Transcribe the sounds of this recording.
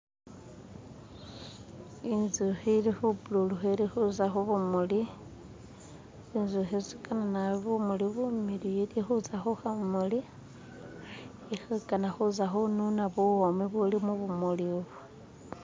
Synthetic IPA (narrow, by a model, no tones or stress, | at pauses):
inzuxilixubululuxeɾixuzaxuβumuli | inzuxezikananaβumuliβumilijilixuzaxuxamuli | ixakanaxuzaxununaβuwomiβulimuβumuliβu